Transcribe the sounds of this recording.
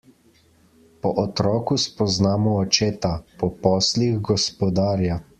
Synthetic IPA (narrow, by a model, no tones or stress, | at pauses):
pɔʔɔt̪ɾɔːkuspɔznaːmɔːt͡ʃeːt̪apɔpɔːsliɣɡɔspɔd̪aːɾja